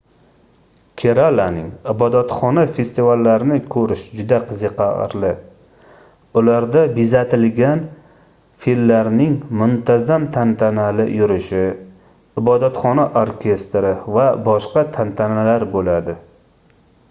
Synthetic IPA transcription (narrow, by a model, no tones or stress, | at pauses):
kʲʰeɾalanɪŋɪbɒd̪at̪χɒnafe̞st̪ivalːaɾɪnɪkʰɵɾɪʃd͡ʒʊd̪aqʰɨzɨqʰɑ̰ɾlɪ | ʊlaɾd̪abizat̪ʰɪlɡʲan | filmːaɾnɪŋmʊnt̪ʰazamt̪ʰant̪ʰanalɪ̰jʊɾɪʃɪ | ɪbɒd̪at̪χɒnaʔoɾkʲʰe̞st̪ɾɪvabɒʃqɑt̪ʰant̪ʰanalaɾbolad̪ɪ